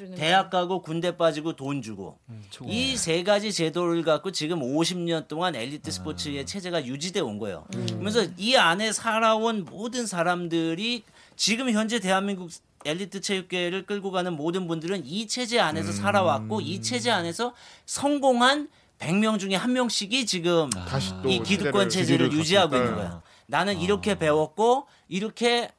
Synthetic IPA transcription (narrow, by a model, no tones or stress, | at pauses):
te̞ɦakʰaɡokunde̞p͈ad͡ʑiɡotond͡ʑuɡo̰ise̞ɡad͡ʑit͡ɕe̞doɾɯɭɡak͈ot͡ɕiɡɯmoɕʰimɲʌnt͈oŋane̞ʎːitʰɯsʰɯ̥pʰot͡ɕʰie̞t͡ɕʰe̞d͡ʑe̞ɡajud͡ʑide̞onɡʌ̰jo̰kɯmjʌnsʰʌiane̞sʰaɾaonmodɯnsʰaɾamdɯɾi | t͡ɕiɡɯmçjʌnd͡ʑe̞te̞ɦanmiŋɡuk̚ | e̞ʎːitʰɯt͡ɕʰejuk͈̚e̞ɾɯɭk͈ɯɭɡoɡanɯnmodɯnbundɯɾɯnit͡ɕʰe̞d͡ʑe̞ane̞s̬ʰʌsʰaɾawak̚k͈oit͡ɕʰe̞d͡ʑe̞ane̞sʰʌsʰʌŋɡoŋɦan | pe̞ŋmjʌŋd͡ʑuŋe̞hanmjʌŋɕ͈iɡit͡ɕiɡɯmikiduk͈wʌnt͡ɕʰe̞d͡ʑe̞ɾɯɭjud͡ʑiɦaɡoinːɯnɡʌ̰jo̰ | nanɯniɾʌkʰe̞pe̞wʌk̚k͈o | iɾʌkʰe̞